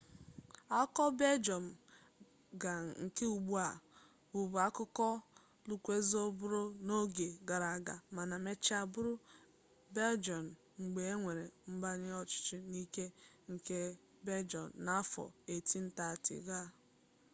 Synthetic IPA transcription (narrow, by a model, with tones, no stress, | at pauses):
a˦kɔ˦be˦d͡ʒɔ˨m̩˨ | ɡa˨ŋ̩˨ke˦u˨ɡ͡bu˦a˨ | bu˨bu˨a˦kʊ˦kɔ˦ | lu˨kʷe˦zo˦bʊ˦ɾo˦no˦ɡe˨ɡa˨ɾa˨ɡa˨ma˨na˨me˦t͡ʃɪ˦a˨bʊ˦ɾʊ˦ | be˦ld͡ʒɔ˨n̩˨ | ŋ͡m̩˨ɡ͡be˨e˦ŋʷe˨ɾe˨m̩˦ba˦ɲɪ˦ɔ˨t͡ʃɪ̥˨t͡ʃɪ˦ni˦ke˦ŋ̩˨ke˦ | be˦d͡ʒɔ̰˨nː˨a˦a˦fɔ̰˨e˨ti˦n̩˦ta˨tɪ̰˨ɡa˦˨